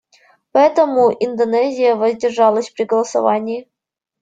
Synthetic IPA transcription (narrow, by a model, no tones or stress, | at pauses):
pɐɛt̪əmuʔind̪onɛzʲijəvɐzʲdʲɪrʐɑlˠəsʲpɾʲiɡəlˠəsɐ̰vanʲiː